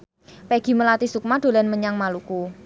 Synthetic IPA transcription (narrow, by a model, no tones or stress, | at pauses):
peɡ̥i̤məlat̪isuk̚mad̪̥o̤lanməɲaŋmaluku